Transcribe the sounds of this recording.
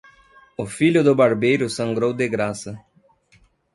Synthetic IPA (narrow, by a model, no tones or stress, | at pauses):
ʊfiʎʊd̪ʊbaɾbejɾʊsɐ̃ŋɡɾowd̪eɡɾasɐ